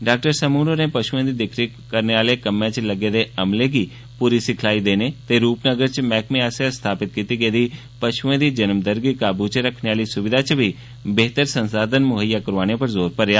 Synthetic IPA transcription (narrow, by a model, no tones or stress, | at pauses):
ɖaːk̚ʈəɾsəmuːnoɾẽːpəʃuẽːd̪iːd̪ɪkʰɾi | kəɾneaːlekəmẽt͡ʃləɡed̪eɐmleɡiː | puːɾisɪkʰlaːid̪eːnet̪eːɾuːpnəɡəɾt͡ʃmɛːkmẽaːsjast̪ʰaːpɪt̪̚kiːt̪iɡeːd̪iː | pəʃuẽːd̪iːd͡ʒənəmd̪əɾɡikaːbut͡ʃɾəkʰneaːlisʊʋɪd̪ʱat͡ʃbʱi | beːt̪əɾsə̃nsaːd̪ənmʊɦəjːakəɾʋaːñepəɾzoːɾpəɾjaː